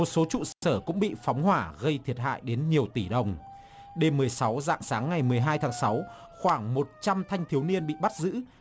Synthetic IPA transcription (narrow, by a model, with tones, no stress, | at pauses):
mo˨˩t̚so˨˦t͡ɕṵ˧˨səː˧˩kʊ̰˧˥ŋ͡mɓḭ˧˨fɔ˨˦wŋ͡mhwaː˧˩ɣə˧jt̪ʰi˨˩ət̚ɦa̰ː˧˨jɗe˨˦nɲi˨˩əwt̪i˧˩ɗə˨˩wŋ͡m | ɗe˧˩mːɨ˨˩əjsa˨˦wza̰ː˧˨ŋsaː˨˦ŋːa˨˩jmɨ˨˩əjɦaː˧jt̪ʰaː˨˦ŋsa˨˦w | xwaː˧˩ŋmo˨˩t̚t͡ɕa˧mt̪ʰa˧jŋt̪ʰi˨˦wni˧ənɓḭ˧˨ɓa˦˥t̚zɨ̰˧˥